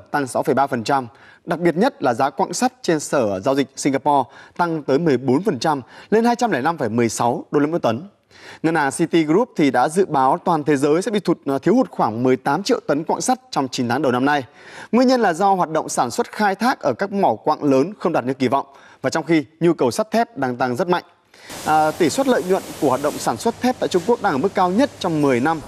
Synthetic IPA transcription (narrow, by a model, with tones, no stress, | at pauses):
t̪a˧ŋsa˨˦wfə˧˩jɓaː˧fə˨˩nt͡ɕa˧m | ɗa˨˩k̚ɓi˨˩ət̚ɲə˦˥t̚laː˨˩zaː˨˦kwa̰ː˧˨ŋsa˦˥t̚t͡ɕe˧nsəː˧˩zaː˧wzi˨˩k̚si˧ŋ̟ɣaː˧pɔ˧t̪a˧ŋt̪əː˨˦jmɨ˨˩əjɓo˨˦nfə˨˩nt͡ɕa˧mle˧nhaː˧jt͡ɕa˧mlɛː˧˩na˧mfəː˧˩jmɨ˨˩əjsa˨˦wɗo˧lʔɨ̰˧˥t̪ə˨˦n | ŋɨ˨˩nʔaː˨˩ŋsi˧t̪i˧ɣu˦˥p̚t̪ʰi˨˩ɗa̰ː˧˥zɨ̰˧˨ɓaː˨˦wt̪waː˨˩nt̪ʰe˨˦zəː˨˦jsɛ̰˧˥ɓḭ˧˨t̪ʰu˨˩t̚t̪ʰi˨˦əhu˨˩t̚xwaː˧˩ŋmɨ˨˩əjt̪aː˨˦mt͡ɕḭ˧˨wt̪ə˨˦nkwa̰ː˧˨ŋsa˦˥t̚t͡ɕɔ˧wŋ͡mt͡ɕi˨˦nt̪ʰaː˨˦ŋɗə˨˩wna˧mna˧j | ŋwi˧ənɲə˧nlaː˨˩zɔ˧ɦwaː˨˩t̚ɗə̰˧˨wŋ͡msaː˧˩nswə˦˥t̚xaː˧jt̪ʰaː˦˥k̚ʔəː˧˩kaː˦˥k̚mɔ˧˩wkwa̰ː˧˨ŋləː˨˦nxə˧wŋ͡mɗaː˨˩t̚ɲɨ̰˧˥˩ki˧˩vɔ̰˧˨wŋ͡m | vaː˨˩t͡ɕɔ˧wŋ͡mxi˧ɲu˧kə˨˩wsa˦˥t̚t̪ʰɛ˦˥p̚ɗaː˧ŋt̪a˧ŋzə˦˥t̚ma̰˧˨jŋ̟˨˩ | t̪i˧˩swə˦˥t̚lə̰ː˧˨jɲwə̰˧˨nku˧˩hwaː˨˩ɗə̰˧˨wŋ͡msaː˧˩nswə˦˥t̚t̪ʰɛ˦˥pt̪a̰ː˧˨jt͡ɕʊ˧ŋ͡mku˦˥ək̚ɗaː˧ʔəː˧˩mɨ˦˥kːaː˧wɲə˦˥t̚t͡ɕɔ˧wŋ͡mmɨ˨˩əjna˧m